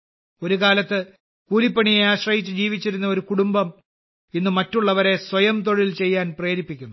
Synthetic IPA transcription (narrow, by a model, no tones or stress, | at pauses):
o̞ɾukaːlɐt̪ːɨ | kuːlipːɐɳijejaːɕrɐhit͡ɕːɨd͡ʑiːʋit͡ɕːiɾunːɐo̞ɾukuɽumbɐm | inːɨmɐtːuɭːɐʋɐɾe̞swɐjɐmt̪̬o̞ɻilt͡ɕe̞jːaːnpre̞ːɾipːikʲːunːu